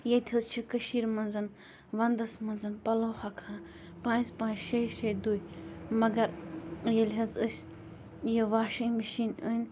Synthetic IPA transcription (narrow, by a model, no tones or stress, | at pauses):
jet̪ʲʰɐzt͡ʃʰikəʃiːɾmɐnzɐn | ʋɐnd̪ɐsmɐnzɐnpɐloːhɐkʰãː | pãːnzpãːnʃejʃejd̪ujmɐɡɐɾjelʲɦɐzəsʲ | jiʋaːʃiməʃiːnənʲ